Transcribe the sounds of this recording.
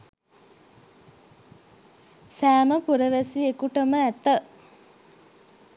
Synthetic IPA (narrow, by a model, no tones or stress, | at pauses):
sæːməpuɾəʋæsiekuʈəməæt̪ə